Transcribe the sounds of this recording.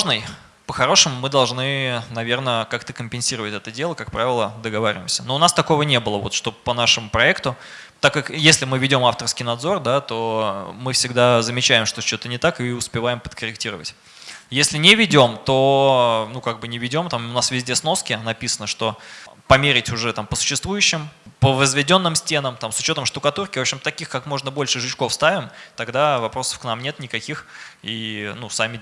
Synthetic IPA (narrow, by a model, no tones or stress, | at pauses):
ʐnɨj | pəxɐɾo̞ʂɨmʊmɨd̪ɐlˠʐnɨnɐvʲe̞rnəkakt̪əkəmʲpʲɪnsʲiɾəvətʲɛt̪ədʲe̞lˠəkak̚pɾavʲɪlˠəd̪əɡɐvaɾʲɪ̰vʲɪmsʲənoʊnast̪ɐko̞vənʲe̞bɨlˠəvo̞t̪ʂt̪o̞pənaʂəmʊpɾɐɛkt̪ʊ | t̪akːakjesʲlʲɪmɨvʲɪdʲo̞maft̪ərskʲɪjnɐd̪zo̞rd̪at̪o̞mɨfsʲɪɡ̚d̪azəmʲɪt͡ɕæɪmʂt̪ot͡ɕot̪ənʲɪt̪akɨʊspʲɪvajɪmpə̥t̪kəɾʲɪktʲiɾəvə̰tʲ | jesʲlʲɪnʲɪvʲɪdʲo̞mt̪o̞nukaɡ̚bɨnʲɪvʲɪdʲo̞mt̪amʊnasvʲɪzʲdʲe̞sno̞skʲɪnɐpʲisənəʂt̪o̞pɐmʲeɾʲɪtʲʊʐɛt̪ampə̥sʊ̥ɕːɪst̪vujʉɕːɪmpəvəzvʲɪdʲo̞nːɨmsʲtʲe̞nəmt̪amsʊt͡ɕo̞t̪əmʂt̪ʊkɐt̪urkʲɪvopɕɪmt̪ɐkʲixkakmo̞ʐnəbo̞lʲʂɨʐɨt͡ɕko̞fst̪avʲɪmt̪ɐɡd̪avɐpɾo̞sə̥fkn̪amnʲe̞t̪nʲɪkɐkʲixinusamʲɪ